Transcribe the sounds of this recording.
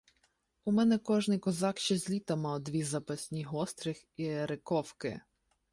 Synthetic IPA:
umɛnɛkɔʒnɪjkɔzɑkʃt͡ʃɛzʲlʲit̪ɐmɑwd̪ʋʲizɐpɐsʲnʲiɦɔst̪ɾɪx | iɾɪkɔwkɪ̰

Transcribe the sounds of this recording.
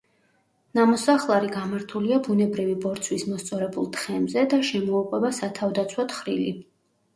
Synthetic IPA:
namɔsaχlˠaɾiɡamaɾt̪ʰuliabunɛbɾivibɔɾt̪sʰwismɔst̪sʼɔɾɛbulˠt̪ʰχɛmzɛd̪aʃɛmɔːqʼwɛbasat̪ʰavd̪at̪sʰwɔt̪χɾili

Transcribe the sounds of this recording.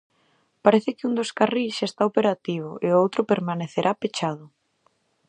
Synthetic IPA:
paɾeθɪkɪund̪oskariʃest̪aopeɾat̪iβ̞ʊʔeowt̪ɾʊpeɾmaneθeɾʔapet͡ʃað̞ʊ

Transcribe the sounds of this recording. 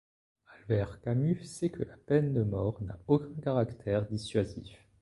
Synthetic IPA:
alvɛʁkamysɛkʰəlapɛnd̪əmɔʁna̰okʲɛ̃kaʁakt̪ʰɛʁd̪isɥazḭf

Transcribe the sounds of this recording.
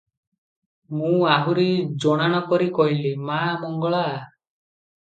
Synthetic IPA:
mũaɦuɾid͡ʒɔɽ̃aɽ̃ɔkɔɾikɔɦilimamɔŋɡɔɭa

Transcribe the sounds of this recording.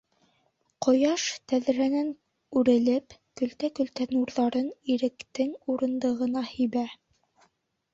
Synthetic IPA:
qŏjɑʃt̪æðɾænæn | ʉɾɘ̆lɘpkɵ̆lt̪ækɵ̆lt̪ænuɾðɑɾɤniɾɘ̆kt̪ɘŋuɾɤ̆nd̪ɤ̆ʁɤ̆nɑhɵ̆jβæ

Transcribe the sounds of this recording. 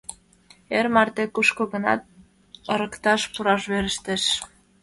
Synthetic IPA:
eɾmɑrt̪ekuʃkoɣənɑ̰t̪̚ | ɤɾə̆kt̪ɑʃpuɾɑʃβeɾəʃt̪eʃ

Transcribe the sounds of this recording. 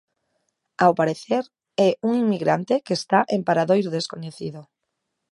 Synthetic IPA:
awpaɾeθeɾ | ɛuŋiŋmiɣɾant̪ekeːst̪aʔempaɾaðojɾoðeskoɲeθiðo

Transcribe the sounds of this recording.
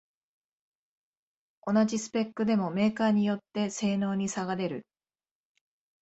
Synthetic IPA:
o̞naʑisɨ̥pe̞kːɯ̟d̪e̞mo̞me̞ːkaːɲ̟ijo̞t̪ːe̞se̞ːno̞ːɲ̟isaɡad̪e̞ɾɯ̟

